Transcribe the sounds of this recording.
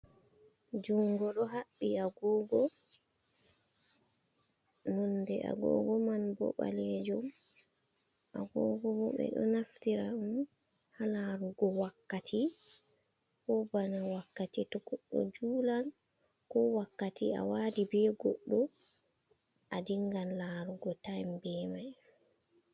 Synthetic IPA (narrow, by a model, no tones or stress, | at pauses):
d͡ʒuŋɡɔɗɔɦaɓːiaɡɔːɡɔ | nɔndɛʔa̰ɡɔ̰ːɡɔmanbɔ̰ɓa̰led͡ʒum | ʔaɡɔːɡɔbɔɓɛ̰ɗɔ̰naftiɾaum | halaɾuɡɔwakːatʰi | kɔbanawakːatitɔɡ̥ɔɗːɔ̰d͡ʒuːlal | kɔwakːatia̰waːdibɛɡɔɗːɔ | ʔadiŋɡanlaːɾuɡɔtajmbɛːmaj